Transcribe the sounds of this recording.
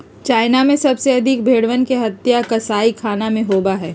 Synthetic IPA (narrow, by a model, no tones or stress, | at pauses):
t͡ʃaːɪnamẽsɐbseɐd̪ʱɪk̚bʱeːɽʋənkeɦɐt̪jakɐsaːikʰaːnamẽɦoːbaɦɛː